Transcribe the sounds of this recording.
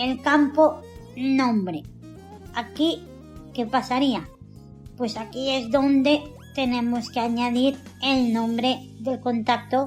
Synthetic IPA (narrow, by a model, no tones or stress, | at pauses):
elkampo̞nõ̞mbɾe̞ | aki | ke̞pasaɾia | pwe̞sakie̞zðo̞nd̪e̞ | t̪e̞nẽ̞moskeaɲaðiɾ | e̞lnõ̞mbɾe̞ | ðe̞lko̞nt̪ak̚t̪o